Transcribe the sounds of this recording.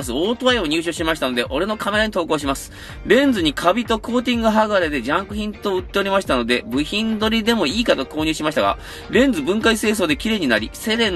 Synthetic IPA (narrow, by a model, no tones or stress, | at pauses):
sɨoːt̪oaio̞ɲ̟ʲɨːɕo̞ːɕimaɕi̥t̪ano̞d̪e̞ʔo̞ɾe̞no̞kʰame̞ɾaɲit̪o̞ːko̞ːɕ̬imasɨ̥ | ɾẽ̞nd͡zɨɲ̟ikʰabʲit̪o̞ko̞ːt̪ʲĩŋɡɯ̟ɦaɡaɾed̪e̞d͡ʑãŋkɯ̟çĩnt̪oɯ̟t̪ːe̞o̞ɾʲimaɕi̥t̪ano̞d̪e̞bɯ̟çĩnd̪o̞ɾʲid̪e̞mo̞iːkat̪o̞ko̞ːɲ̟ɨːɕimaɕi̥t̪a̰ɡa̰ | ɾẽ̞nd͡zɨbɯ̟̃ŋkaise̞ːs̬oːd̪ekʲiɾe̞ːɲ̟inaɾʲise̞d̪ẽ̞n